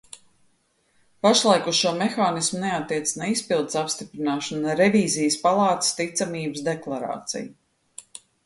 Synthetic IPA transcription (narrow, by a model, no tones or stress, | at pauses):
paʃlˠajkusʃuɔmexaːnismuneat̪ːiɛt̪ssnaispilˠd̪ɪsapst̪ipɾinaːʃanaɾeviːzijəspalˠɑːt̪st̪it̪samiːbəsd̪eklˠaɾa̰ːt̪sḭju